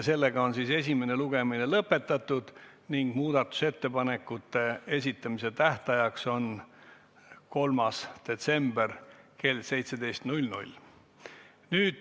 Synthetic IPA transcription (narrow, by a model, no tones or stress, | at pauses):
se̞lːe̞ɡɑo̞nsiːse̞s̬ʲime̞ne̞luɡe̞mine̞lɤpːˑe̞t̪ːˑɑt̪ːˑud̪̥ | niŋɡ̥muːd̪ɑt̪ːˑu̥se̞t̪ːe̞pɑne̞kːˑut̪ːe̞e̞sʲit̪ːˑɑmise̞t̪æht̪ɑjɑkso̞n | ko̞lmɑsd̪̥e̞t̪se̞mb̥erke̞lse̞jt̪se̞d̪e̞jst̪nulʲnṵlʲ | nyːd̪̥